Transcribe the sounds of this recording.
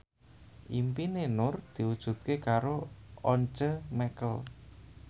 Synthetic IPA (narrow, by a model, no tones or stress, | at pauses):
ʔimpinenʊrd̪̥i̤wud̥ʒ̥ṳt̪̚kekaɾoɔɲt͡ʃəmɛkəl